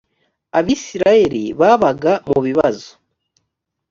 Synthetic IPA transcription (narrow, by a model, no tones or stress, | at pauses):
aβisiɾaje̞ɾḭβaβaɡamuβiβazo̥